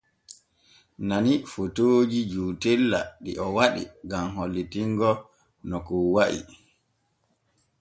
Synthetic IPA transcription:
nanifotoːd͡ʒid͡ʒuːtɛlːa̰ɗiʔɔwaɗḭɡamɦolːitiŋɡɔ | nɔkɔwaʔḭ

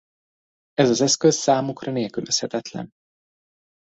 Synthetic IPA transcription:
ɛzɒzɛskøssaːmukrɒneːlkylʔøshɛt̪ɛt̪lɛ̰n

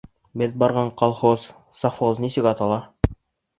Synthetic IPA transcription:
bɘðbɑɾʁɑɴqɑlˠχoz̥ | sɑfoznisɘkɑt̪ɑlˠɑ

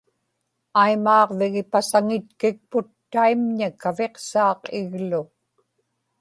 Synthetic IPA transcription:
ajmɑːʁvɪɣɪpasaŋɪt̪kɪk̚pʊt̪ːaimɲakave̞qsɑːqɪɣlʊ

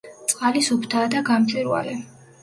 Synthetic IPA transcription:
t̪sʼqʼalisupʰt̪ʰaːd̪aɡamt͡ʃʼiɾwa̰lɛ

